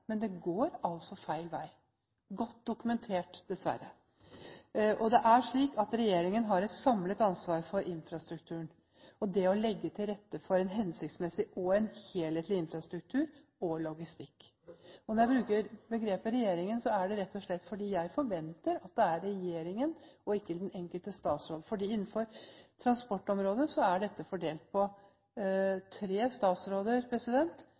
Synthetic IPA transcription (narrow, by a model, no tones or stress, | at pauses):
mɛnd̪ɛɡoːɾɑlsɔfæɪlʋæ̰ɪ | ɡɔt̪ːd̪ʊkʉmɛnt̪ʰeːʈd̪ɛsʋæ̰ɾːə̰ | ʔɔd̪ɛʔæʂɭiːkɑt̪ɾɛjeːɾɪŋənɦɑɾɛt̪sɑmlət̪ɑnsʋɑːɾfɔɾʔɪnfɾɑst̪ɾʉkt̪ʰʉːən | ɔd̪ɛɔlɛɡːət̪ʰɪlɾɛt̪ːəfɔɾɛnɦɛnsɪkt̪smɛsɪʔɔɛnheːlheːt̪lɪɪnfɾɑst̪ɾʉk̚t̪ʰʉːɾ | ɔlɔɡɪst̪ɪkː | ɔnɔɾjæɪbɾʉːkəɾbəɡɾeːpəɾɛjeːɾɪŋənsɔæɖɛɾɛt̪ʰːɔʂɭɛt̪ːfɔɖiːjæɪfɔɾʋɛnt̪əɾɑt̪̚d̪ɛæɾːɛjeːɾɪŋənɔɪkːəd̪ɛnɛŋkəlt̪əst̪ɑːt̪sɾoːd̪əfɔɖiːɪnːnfɔɾt̪ʰɾɑnspɔʈːɔmɾoːd̪əsɔæɖɛt̪ːəfɔɖeːlt̪̚pʰɔ | t̪ʰɾeːst̪ɑːt̪sɾoːd̪əɾpʰɾɛsɪd̪ɛnt̪